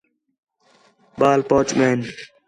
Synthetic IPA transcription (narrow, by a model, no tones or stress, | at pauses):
ɓaːlpoːt͡ʃmeːn